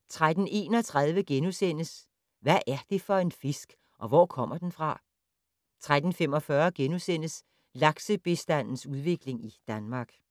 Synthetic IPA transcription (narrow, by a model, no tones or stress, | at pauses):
t͡sʰʁad̥n̩e̝̰ːnɒ̽t͡sʰʁað̞ˠʋəɡ̥enusen̰əs | ʋæʔæɐd̥e̝fɒ̽e̝nfe̝sɡ̥ | ʔɒ̽ʋɒ̰kʰɒ̽m̰ɐd̥enfʁɑ̈ | t͡sʰʁad̥n̩femɒ̽fɶɐɡ̥enusen̰əs | lɑ̈ɡ̥səb̥e̝sd̥æn̰n̩suð̞ˠʋe̝ɡ̥le̝ŋid̥ænmɑ̈ːɡ̥